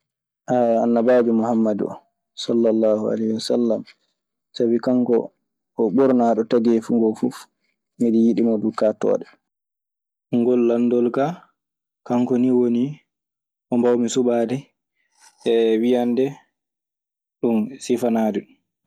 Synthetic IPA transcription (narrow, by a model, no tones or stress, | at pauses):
ʔaanːabaːbimuhamːadɔ̰ | sɔlːalːaːhua̰lehwasa̰lːam | sabikaŋkɔ̰ː | ɓɔɾnaɗɔtaɡɛfuŋɡɔfuf | miɗijiɗimɔdukatɔ̰ːɗɛ | ŋɡɔlːandɔlka | kaŋkɔniwoni | ʔɔmbawmisuɓaːdɛ | ɛwijandɛ | ɗunsifanaːdiɗum